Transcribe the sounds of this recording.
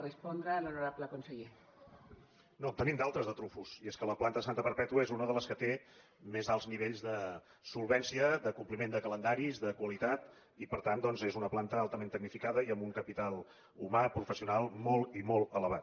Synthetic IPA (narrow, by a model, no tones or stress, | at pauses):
rəspɔnd̪ɾəːlunuɾabləkunsəʎe | not̪ənimd̪alˠt̪ɾəzðət̪ɾufusieskələplant̪əsant̪əpəɾpɛt̪uəezunəðələskət̪e | mezalˠzniβeʎzðə | sulˠβɛnsiəðəkumplimend̪əkələnd̪aɾizðəkwəlit̪at̪ | ipəɾt̪and̪ɔnzezunəplant̪əalˠt̪əment̪əɡ̚nifikaðəiəmbuŋkəpit̪alˠ | umapɾufəsiunalˠmolˠimolˠələβ̞at̪